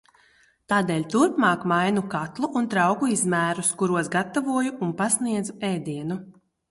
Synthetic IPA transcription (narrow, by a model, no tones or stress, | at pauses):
t̪aːd̪ɛːlʲt̪uɾpmɑːkmajnukat̪lˠuʔːnt̪ɾawkuizmæːɾuskuɾuɔsɡat̪avuɔjuʔːnpasniɛd̪zuɛːd̪iɛnu